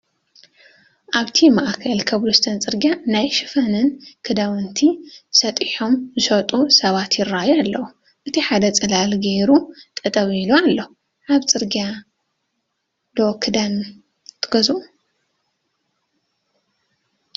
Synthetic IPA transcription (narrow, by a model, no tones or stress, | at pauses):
ʔaβt̪ʰimaʔkʰɐlkʰɐβlust̪ʰɐnt͡sʼɨɾɡʲjanajʃɨfɐnɨnkʰɨd̪awɨnt̪ʰisɐt̪ʼiħomzɨʃɐt̪ʼusɐβat̪jɪrːajalːɐwu | ʔɨt̪ʰiħad̪ɐt͡sʼɨlalɡeɾut̪ʼɨt̪ʼɐβiilualːɐhu | ʕaβt͡sʼɨɾɡa | d̪okʰɨd̪an | t̪ʰɨɡɐzuʔu